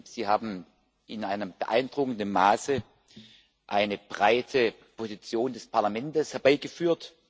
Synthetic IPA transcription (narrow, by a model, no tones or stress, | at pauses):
z̥iːhaːbm̩ | ɪnʔaɪnəmb̥əʔa̰ɪndʁʊkn̩dənmaːsə | ʔaɪnəb̥ʁaɪtʰə | pʰozit͡sjoːndɛspʰaɐlamɛntəshɛɐb̥aɪɡəfyːɐt